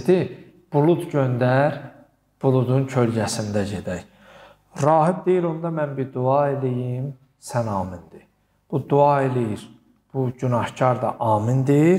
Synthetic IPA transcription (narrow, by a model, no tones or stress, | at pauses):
d̪i | b̥ulˠud̪ɟønd̪æɾ | b̥ulˠud̪uncʰølɟæsind̪æɟe̞d̪æj | ɾɑːɦib̚d̪ejilo̞nd̪ɑmænbiɾd̪uɑelijim | sænɑːmind̪̥i | b̥ud̪uɑelijiɾ | b̥uɟynɑhcʰɑɾd̪ɑ̰ʔɑːmind̪iɾ